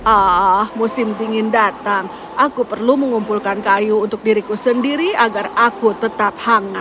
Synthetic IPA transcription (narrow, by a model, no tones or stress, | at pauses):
ʔɔhmusɪmt̪iŋɪndat̪aŋ | ʔakupərluməŋumpulkankajuːnt̪ʊk̚diɾikusəndiɾiaɡarakut̪ət̪ap̚haŋa